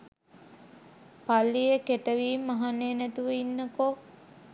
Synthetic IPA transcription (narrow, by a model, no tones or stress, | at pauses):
palːijekeʈəʋiːmːaɦanːeːnæt̪uʋəinːəko